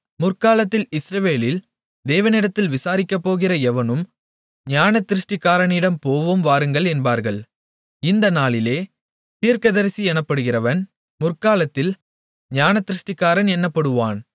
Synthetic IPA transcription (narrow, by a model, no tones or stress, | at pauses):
mʊrkaːlɐt̪ːɪlɪsɾɐʋeːlɪl | d̪eːʋɐnɪɽɐt̪ːɪlʋɪsaːɾɪkːɐpːoːɣɪrɐɛʋɐnɯm | ɲaːnɐt̪ːɪɾɯʂʈɪkːaːɾɐnɪɽɐmpoːʋɯmʋaːɾɯŋɡɐɭɛnbaːɾɣɐɭ | ɪnd̪ɐnaːɭɪleː | t̪iːɾkɐðɐɾsiɛnɐpːɐɽɯɣɪrɐʋɐn | mʊrkaːlɐt̪ːɪl | ɲaːnɐt̪ːɪɾɯʂʈɪkːaːɾɐnɛnːɐpːɐɽɯʋaːn